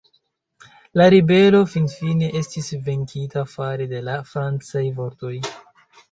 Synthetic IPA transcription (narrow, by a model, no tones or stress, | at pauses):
laɾibe̞lo̞finfine̞ʔe̞stisve̞ŋkʰitafaɾede̞lafɾant͡sajvo̞ɾto̞j